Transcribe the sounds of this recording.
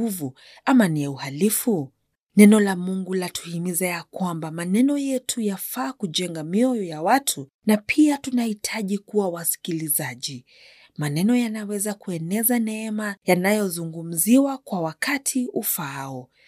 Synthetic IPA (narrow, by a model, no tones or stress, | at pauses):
uvu | amanijauhalifu | nɛnɔlamuŋɡulatʰu̥himizajakwambamanɛnɔjɛtʰujafaːkud͡ʒɛŋɡamiɔjɔjawatʰu | napʰiatunahitʰaʄikuwawasi̥kilizaʄi | manɛnɔjanawɛzakuɛnɛzanɛɛmajanajɔzuŋɡum̩ziwakwawakatʰiʔufaaɔ